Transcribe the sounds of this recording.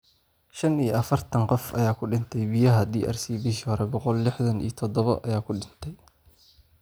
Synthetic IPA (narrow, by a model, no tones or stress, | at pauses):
ʃɐnijɐfɐrt̪ʰɐnqɔfʔɐ̰jaːkʰʊɖɪnt̪ʰɛjbɪjɐɦɐd̪iːʔɐ̰rsiːbɪʃɾɛbɔqɔlːɪħðɐnḭt̪ʰɔd̪ɔβɐʔɐ̰jaːkʰʊɖɪnt̪ʰɛj